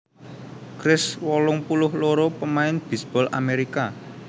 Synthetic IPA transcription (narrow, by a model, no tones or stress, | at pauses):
ɡ̥ɾɪswɔlʊŋpulʊhloɾopəmaɪnb̥i̤sb̥ɔla̰meɾika